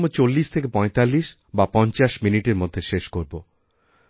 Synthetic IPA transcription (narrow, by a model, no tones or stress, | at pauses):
mot͡ɕolːiʃt̪ʰekepɔet̪alːiʃ | bapɔnt͡ɕaʃminiʈeɾmod̪ʱːeʃeʃkoɾbo